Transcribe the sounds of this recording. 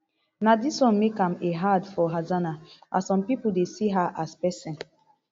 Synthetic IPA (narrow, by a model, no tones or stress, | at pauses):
nadiswɔ̃nmekãmeɦadfɔɦazanaa̰sɔ̃mpipʊdesiɦaʔaspɛsɛ̃n